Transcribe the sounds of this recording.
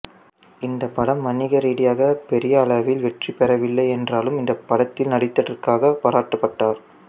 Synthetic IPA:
ɪnd̪ɐpːɐɽɐmːɐnɪɣɐɾiːɽɪjaːɣɐpɛɾɪjɐːɭɐʋɪlʋɛʈripːɛɾɐʋɪlːɐɪɛndraːlɯmɪnd̪ɐpːɐɽɐt̪ːɪlnɐɽɪt̪ːɐɽɐɾkaːɣɐpaːɾaːʈːɐpːɐʈːaːɾ

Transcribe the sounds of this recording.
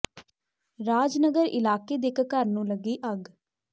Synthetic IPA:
ɾaːd͡ʒnəɡəɾɪ̰laːkeːd̪eːkkəɾnũːləɡiːʔəɡ

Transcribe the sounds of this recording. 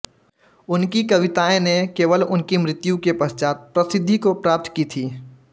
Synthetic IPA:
ʊnkikɐʋɪt̪aːẽnekeːʋəlʊnkimɾɪt̪jũkepɐst͡ʃaːt̪̚pɾɐsɪd̪ʱːikopɾaːp̚t̪ʰkit̪ʰiː

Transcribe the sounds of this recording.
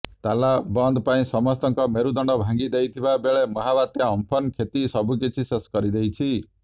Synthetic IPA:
t̪alabɔnd̪paĩsɔmɔst̪ɔŋkɔmeɾud̪ɔɳɖɔbʱãŋɡid̪ejt̪ʰibabeɭemɔɦabat̪jaɔmpʰɔnkʰet̪isɔbukit͡ʃʰiseskɔɾid̪ejt͡ʃʰi

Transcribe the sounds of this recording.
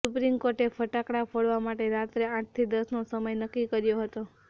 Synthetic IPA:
supɾimkoɾʈefʰəʈakɽafʰoɭʋamaʈeɾat̪ɾeãʈ̚ʰt̪ʰid̪əsnosəməjnəkːikəɾjoɦət̪o

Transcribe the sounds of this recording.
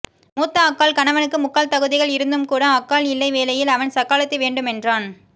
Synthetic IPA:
muːt̪ːɐːkːaːlkɐnɐʋɐnɯkːɯmʊkːaːlt̪ɐɣɯðɪɣɐɭɪɾɯnd̪ɯmkuːɽɐɐkːaːlɪlːɐɪʋeːlɐjɪlɐʋɐnsɐkːaːlɐt̪ːɯʋeːɳɖɯmɛndraːn

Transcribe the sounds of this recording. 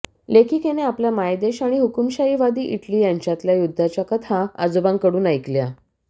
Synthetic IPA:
lekʰiːkeneapljamajd̪eɕaɽ̃iɦukumɕaiʋad̪iːʔiʈliːjaɲt͡ɕjat̪ljajud̪ʱːat͡ɕjakət̪ʰaad͡zobãŋkəɽuːnajklja

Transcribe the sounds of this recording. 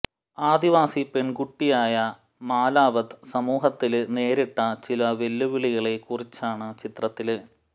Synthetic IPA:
aːd̪iʋaːsipe̞ɳɡuʈːijaːjɐ | maːlaːʋɐðɨsɐmuːɦɐt̪ːilne̞ːɾiʈːɐt͡ɕilɐʋe̞lːuʋiɭiɣɐɭe̞kurit͡ɕːaːɳɨt͡ɕit̪rɐt̪ːilɨ

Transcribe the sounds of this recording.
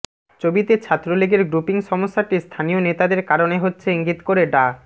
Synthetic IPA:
t͡ɕobit̪et͡ɕʰat̪ːɾoliɡeɾɡɾupiŋʃɔmoʃːaʈist̪ʰanijonet̪ad̪eɾkaɾoneɦotːɕʰeiŋɡit̪koɾeɖa

